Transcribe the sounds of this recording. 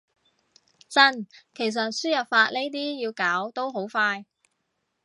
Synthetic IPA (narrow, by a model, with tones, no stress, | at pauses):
t͡sɐ˥nkʰe˨˩js̬ɐ˨t̚syː˥jɐ˨˩p̚faː˧t̚le˥jt̪̬iː˥jiː˧wkaː˨˥wt̪o˥wɦo˨˥wfaː˧j